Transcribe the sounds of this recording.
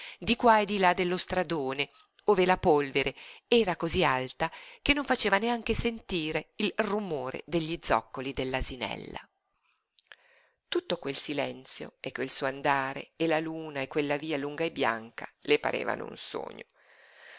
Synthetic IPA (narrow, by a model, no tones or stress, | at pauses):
d̪ikwaed̪ilad̪ːelːost̪ɾad̪oːne | oːvelapolveɾeɛːɾakozialt̪ak̟enːoɱfat͡ʃeːvaneaŋk̟esent̪iːɾeilrumoːɾḛd̪eʎːid̪zɔ̰kːolid̪elːazinɛ̰lːa̰ | t̪ut̪ːokwelsilɛnt̪sjo̰ekwelsuːoand̪aːɾḛelaluːnaekːwelːaviːaluŋɡaebːja̰ŋkalepa̰ɾḛːva̰no̰ṵnso̰ːɲo̰